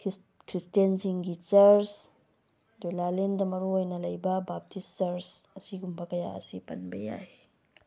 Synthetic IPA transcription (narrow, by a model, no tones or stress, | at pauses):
kʰɾistensiŋɡit͡ʃɐɾs | dulalendɐmɐɾuojnɐlɐjbɐbap̚tʰisːɐɾsɐsiɡumbɐkɐja̰ɐ̰sipɐnbɐ̰ja̰j